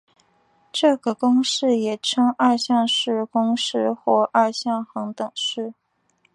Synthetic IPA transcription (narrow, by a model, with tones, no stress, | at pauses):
ʈ͡ʂɤ˥˩ɡə˩kʊ˥ŋʂɻ̩˥˩jɛ˨˩ʈ͡ʂʰɤ˥ŋɐ˥˧ɕjɑ˥˧ŋʂɻ̩˥˧kʊ˥ŋʂɻ̩˥˩˧xwɔ˥˧ʔɐ˥˧ɕjɑ˥˩ŋxɤ˧˥ŋt̪ɤ˨˩ŋʂɻ̩˥˩